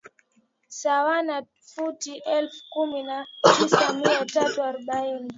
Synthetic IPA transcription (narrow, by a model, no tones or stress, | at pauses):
sawana | futiʔɛlfu̥kuminatisamiatatuaɾɔɓaini